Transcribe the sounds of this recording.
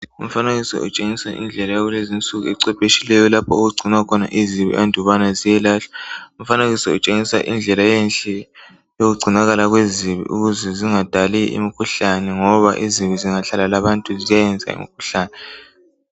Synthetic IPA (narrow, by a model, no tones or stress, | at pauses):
um̩faneɣisɔ̰ʔut͡ʃʼeŋisaʔḭnd͡ɮʱɛlajaɣulezint͡sʼuɣuɛǀɛpʼeʃilɛjɔlapʰɔoɣuɡ͡ǀʱinwakʰɔna̰ʔiziβḭʔandʱɔβanazijɛlaɬḁum̩faneɣisɔut͡ʃʼeŋisa̰ʔḭnd͡ɮʱɛlajɛnɬʼɛ | joɣuɡ͡ǀʱinaɣalaɣweziβḭʔuɣuzɛziŋad̥ʱaliḭmikʰuɬanɛŋɔβa̰ʔiziβiziŋaɬalalaβantʼuzijajɛnd͡zʱa̰ḭmikʰuɬaːnɛ